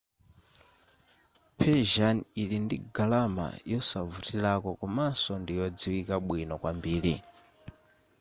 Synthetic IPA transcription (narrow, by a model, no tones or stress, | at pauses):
pʰɛʒanilindiɡalama̰jɔsavutilakɔkɔmasɔndijɔd͡ziwikaɓwinɔkwambiːɾḭ